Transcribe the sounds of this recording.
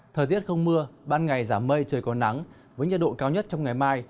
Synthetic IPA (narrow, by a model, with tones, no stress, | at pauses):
t̪ʰəː˨˩t̪i˦˥ət̚xə˧wŋ͡mmɨ˧əɓaː˧nŋa˨˩jzaː˧˩mːə˧jt͡ɕɨ˨˩əjkɔ˨˦na˨˦ŋ | vəː˨˦jɲə̰˧˥˩ɗo̰˧˨kaː˨˦wɲə˦˥t̚t͡ɕɔ˧wŋ͡mŋa˨˩jmaː˧j